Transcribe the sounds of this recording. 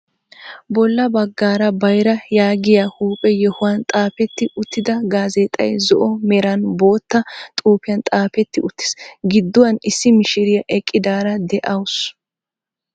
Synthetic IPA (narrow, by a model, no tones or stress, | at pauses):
bɔlːɐbɐɡːaːɾɐbɐjɾɐjaːɡɪjahuːpʼɛjɛhʊwant̪ʼaːpɛt̪ːɪʔʊt̪ʰːɪd̪ɐɡaːzeːt̪ʼːɐ̰jzɔʔɔmɛɾɐnbo̞ːt̪ːɐt̪ʼuːpɪjɐnt̪ʼaːpɛt̪ːɪʊt̪ːɪ̥sɡɪd̪ːɔwɐnɪsːɪmɪʃɪɾɪjɐʔɛkʼːɪd̪aːɾɐd̪ɛʔɐws